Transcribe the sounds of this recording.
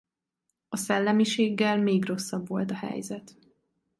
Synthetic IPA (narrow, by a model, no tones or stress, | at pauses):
ɒsɛlːɛmiʃeːɡːɛlmeːɡro̞sːɒbʋo̞lt̪ɒhɛ̰jzɛt̪